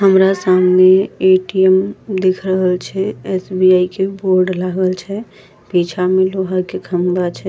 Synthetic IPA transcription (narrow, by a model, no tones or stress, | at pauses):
ɦəmɾasamneeʈiemd̪ekʰɾəɦəlt͡ʃʰɛesbiaikeboɾɖlaɡəlt͡ʃʰɛ | pit͡ʃʰameloɦəɾkekʰəmbat͡ʃʰɛ